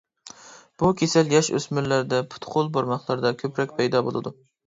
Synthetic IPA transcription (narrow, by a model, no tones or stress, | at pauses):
b̥ukʲʰesɛljɑʃø̰smyɾlæɾd̪ɛpʰʊ̥t̪ʰqʰolˠboɾmɑχlˠɑɾd̪ɑkʲʰøpɾɛkʲpʰɛjd̪ɑbo̰lˠɨ̰d̪u